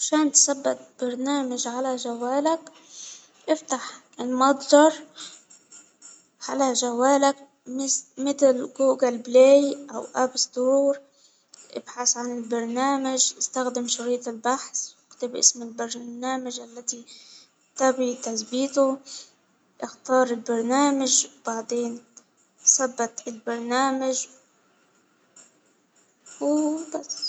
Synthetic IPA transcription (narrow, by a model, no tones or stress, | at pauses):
ʃaːnt̪sabːat̪̚b̥ɑɾˤnaːmaʒʕalaʒawaːlak | ʔɪft̪aħ | ɪlmɑd̪ˤdɑɾˤ | ʕalaʒawaːlak̚ | mɪt̪ɪlɡuːɡalbleːjʔa̰wʔabsˤd̪uːɾ | ʔɪ̰b̥ħasʕanɪlbɑɾˤnaːmaʒʔɪst̪axd̪ɪmʃʊɾiːt̪ɪlbaħsɪkt̪ɪbʔɪ̰smɪlbɾnaːmaʒʔalːat̪i | t̪abit̪asbiːt̪ʊ | ʔɪxt̪ɑːɾˤɪlbɑɾˤnaːmaʒwbaʕd̪ˤeːn | sˤɑbːɑt̪ɪlbɑɾˤnaːmaʒ | wbas